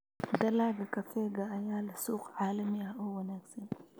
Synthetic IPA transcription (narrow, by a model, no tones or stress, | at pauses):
d̪ɐlaːɡɐkɐfɛːɡɐːjaːlɪsuːqʕaːlɐmiɐʔɔwɐnaːɡsɐn